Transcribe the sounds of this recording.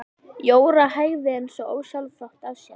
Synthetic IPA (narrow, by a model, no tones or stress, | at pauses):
joːwɾahaːjɣðɪejnsɔoːwsalfɔht̪aðsja